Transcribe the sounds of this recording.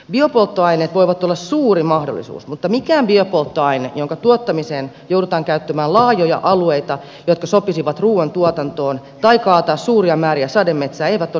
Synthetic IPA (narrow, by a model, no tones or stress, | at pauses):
biopolt̪ːoɑineːt̪ʋoiʋɑt̪ːolːɑssuːrimɑhdo̰lːˑḭsṵːsmut̪ːɑmikæːmbiopolt̪ːoɑinḛjoŋkɑt̪uot̪ːɑmiseːn | jowdut̪ɑːŋkæyt̪ːømæːlɑːjojɑ̰ʔɑlueit̪ɑ | jot̪̚kɑsopisiʋɑt̪ruːˑɑnt̪uot̪ɑnt̪oːn | t̪ɑikɑːt̪ɑːssuːriɑmæːɾiæsɑdemmet̪sæːeiʋæt̪o